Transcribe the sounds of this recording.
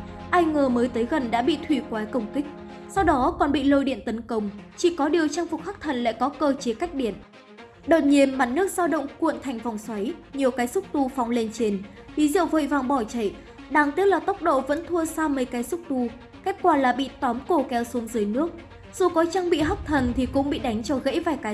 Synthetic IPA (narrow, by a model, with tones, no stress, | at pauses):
ʔaː˧jŋəː˨˩məː˨˦jt̪əː˨˦jɣə˨˩nɗa̰ː˧˥ɓḭ˧˨t̪ʰwi˧˩kwaː˨˦jkə˧˩wŋ͡mkï˦˥k̟̚sa˧wɗɔ˨˦kɔ˨˩nɓḭ˧˨lo˧jɗḭ˧˨ənt̪ə˨˦nkə˧wŋ͡mt͡ɕi˧˩kɔ˨˦ɗi˨˩əwt͡ɕa˧ŋfʊ˨˩k͡p̚xa˦˥k̚t̪ʰə˨˩nla̰ː˧˥˨jkɔ˨˦kəː˧t͡ɕe˨˦ka˦˥jk̚ɗi˧˩ən | ɗo̰˨˩t̚ɲi˧˩ənma˨˩t̚nɨ˦˥ək̚z̥aː˧ɗə̰˧˨wŋ͡mkṵ˧˨ənt̪ʰa˨˩jŋ̟fa˨˩wŋ͡mswa˨˦jɲi˨˩əwkaː˨˦jsʊ˦˥k͡p̚t̪u˧fɔ˨˦wŋ͡mle˧nt͡ɕe˧n | li˨˦zḭ˧˨wvo̰˧˨jvaː˨˩ŋɓɔ˧˩t͡ɕə̰˧˩j | ɗaː˨˩ŋt̪i˦˥ək̚laː˨˩t̪ə˦˥wk͡p̚ɗo̰˧˨və̰˧˥nt̪ʰu˧əsaː˧mə˨˦jkaː˨˦jsʊ˦˥k͡p̚t̪u˧ | ke˦˥k̚kwaː˧˩laː˨˩ɓḭ˧˨t̪ɔ˨˦mko˧˩kɛ˨˦wsu˨˦əŋzɨ˨˦əjnɨ˦˥ək̚ | z̥u˨˩kɔ˨˦t͡ɕaː˧ŋɓḭ˧˨ɦa˦˥wk͡p̚t̪ʰə˨˩nt̪ʰi˨˩kʊ̰˧˥ŋ͡mɓḭ˧˨ɗa˨˦jŋ̟t͡ɕɔ˧ɣḛ˧˥jvaː˨˩jkaː˨˦